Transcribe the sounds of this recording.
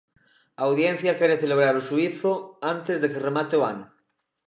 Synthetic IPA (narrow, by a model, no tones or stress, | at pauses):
aːwðjen̟θjakɛɾeθeleβ̞ɾaɾosuiθoant̪ezðekeremat̪eoanʊ